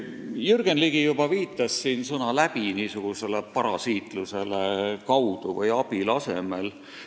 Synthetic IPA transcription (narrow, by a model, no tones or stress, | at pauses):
jyrɡ̥enliɡ̥ijub̥ɑviːt̪ːˑɑsːiːnsɤnɑlæb̥iniːsuɡ̥use̞le̞pɑɾɑsiːt̪ˑluse̞lekɑwd̪̥uvɤjɑb̥ilɑse̞me̞l